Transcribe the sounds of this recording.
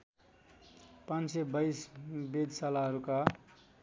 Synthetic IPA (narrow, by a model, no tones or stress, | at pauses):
pãnsebʌsbed̪salaɦʌɾuka